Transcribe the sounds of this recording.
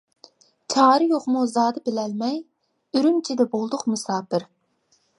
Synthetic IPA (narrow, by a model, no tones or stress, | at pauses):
t͡ʃʰɑːɾɨjoχmuzɑːd̪ɨbɪlɛlmɛj | yɾymt͡ʃʰid̪ɛbolˠd̪ʊqmusɑːpɪɾ